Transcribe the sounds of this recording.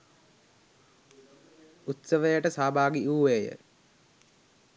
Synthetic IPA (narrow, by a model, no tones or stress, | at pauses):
ut̪səʋəjəʈəsaːbaːɡiʔuːʋejə̰